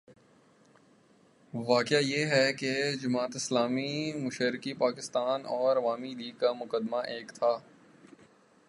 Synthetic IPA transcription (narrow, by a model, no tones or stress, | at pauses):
ʋaːkɪajeɦɛked͡ʒʊmaːt̪ɪslaːmimʊʃəɾɪkipaːkɪst̪aːnɔːɾʋaːmid̪iːkamʊkəd̪maʔeːkt̪ʰaː